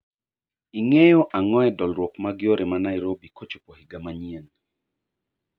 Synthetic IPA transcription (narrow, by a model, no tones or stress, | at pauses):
iŋejoʔaŋɔɛdɔlɾwɔkmaɡɪoɾʔemanaiɾobikot͡ʃopohiɡamaɲiɛn